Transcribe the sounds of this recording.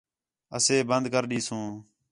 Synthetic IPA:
ə̰seːbənd̪kəɾɗiːsũː

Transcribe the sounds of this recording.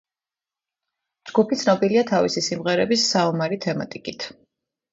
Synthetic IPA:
d͡ʒɡupʰit̪sʰnɔbiliat̪ʰavisisimʁɛɾɛbisːaɔmaɾit̪ʰɛma̰t̪ʼikʼit̪ʰ

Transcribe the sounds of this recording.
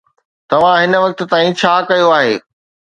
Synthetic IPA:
t̪ɐʋ̤ãɦɪnə̆ʋɐk̚t̪̆t̪aːĩt͡ɕʰaːkɐjoaːɦeː

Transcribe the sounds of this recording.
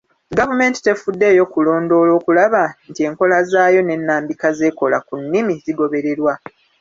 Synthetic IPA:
ɡavume̞ːnti̥te̞fudːe̞ːjo̞kulo̞ːndo̞ːlo̞ːkulaβantie̞ːŋko̞lazaːjo̞ne̞nːaːmbikaze̞ːko̞lakunːimiziɡo̞βe̞ɾe̞ɾwa

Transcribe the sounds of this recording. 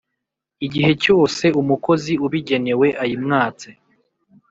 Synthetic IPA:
iɟiɦe̞co̞ːse̞umuko̞ziuβiɟe̞ne̞we̞ʔajimŋaːt͡si

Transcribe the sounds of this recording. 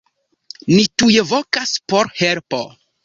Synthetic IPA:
nitujevo̞kaspo̞ɾhelpo

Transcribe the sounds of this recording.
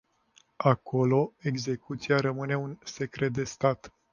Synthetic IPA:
ako̞lo̞e̞ɡze̞kut̪siaɾəmɨne̞unse̞kɾe̞t̪̚d̪e̞st̪at̪

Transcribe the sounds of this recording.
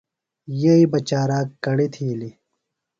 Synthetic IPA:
jeibɐt͡ɕaːɾaːkːɐɽit̪ʰiːli

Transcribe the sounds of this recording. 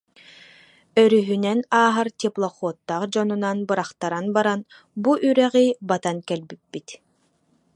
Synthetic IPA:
œɾyɦynɛnaːɦaɾt̪ʲiplˠɔχuɔt̪ːaχd͡ʑɔnunanbɯɾaχt̪aɾanbaɾan | buʔyɾɛʁijbat̪ankɛlbip̚bːit̪

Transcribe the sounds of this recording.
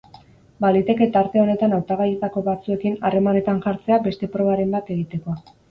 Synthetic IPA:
balit̪e̞ke̞t̪aɾt̪e̞o̞ne̞t̪anawt̪aɣajet̪ako̞βat͡sue̞kinare̞mane̞t̪aŋʝaɾt͡se̞abe̞st̪e̞pɾo̞β̞aɾe̞mbat̪e̞ɣit̪e̞ko̞

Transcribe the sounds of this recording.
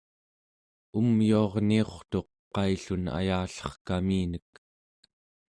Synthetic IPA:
umjuɑʁnio̞χt̪o̞q̚ | pːɑjɬuna̰jaːɬʌ̥χkamiːnək̚

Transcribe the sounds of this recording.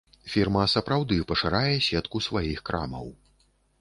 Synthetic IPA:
fʲirmɐsɐpɾawd̪ɨpɐʂɨɾajɛsʲɛt̪kusvajixkɾʔa̰mɐ̰w

